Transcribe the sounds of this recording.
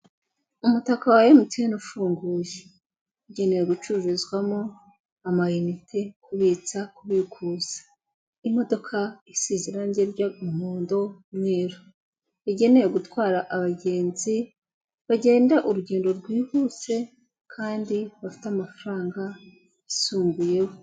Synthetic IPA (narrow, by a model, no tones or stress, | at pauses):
umutakawajemutijenufuːŋɡuːje̥ | iɟe̞ne̞jeɡut͡ʃuvezɡwamo | amajinitʰekʰuβiːt͡sakuβikʰuːz̥ḁ | imo̞do̞kʰaisiziɾanɟeɾɟaumuːndo̞mŋweːɾo | iɟe̞ne̞jeɡutwaːɾaʔaβaɟe̞ːnzi | βaɟe̞ːndaʔuɾuɟe̞ːndo̞ɾɡwiːhut͡se̞ | kʰaːndiβafi̥tamafaɾaːŋɡa | isuːŋɡuje̞wo